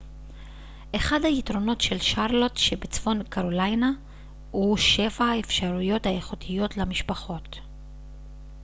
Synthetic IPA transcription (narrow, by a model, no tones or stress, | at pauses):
ʔeχadhaitʁo̞no̞tʃe̞lʃaʁlo̞tʃebet͡sfo̞nkaʁolajna | huʃe̞vahaefʃaʁujo̞thae̞χutʰijo̞tlamiʃpaχo̞t